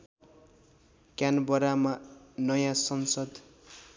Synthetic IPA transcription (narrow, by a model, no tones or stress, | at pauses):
kjanbʌɾamanʌjãsʌnsʌd̪